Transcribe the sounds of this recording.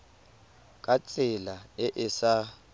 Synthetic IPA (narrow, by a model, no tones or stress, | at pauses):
kʼat͡sʼɪlaɛʔɪsa